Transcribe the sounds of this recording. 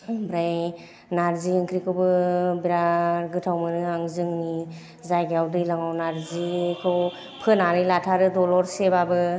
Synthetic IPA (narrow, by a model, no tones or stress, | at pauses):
bɾaj | naɾziɯŋkʰɾikʰɯwbɯbiɾaɾɡɯtʰawmɯnɯaŋzɯŋni | zajɡeawdɯjlaŋawnaɾzikʰɯw | pʰɯnaɾɯjlatʰaɾɯdɔlɔɾsebabɯ